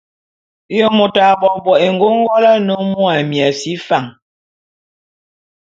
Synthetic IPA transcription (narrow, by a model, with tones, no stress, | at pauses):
jɔ˦mo˨ta˨bɔ˨bɔ˨e˨ŋ˨ɡo˦ŋ˦ɡɔ˦la˦no˦mu˦a˨mja˨si˦fa˦˨ŋ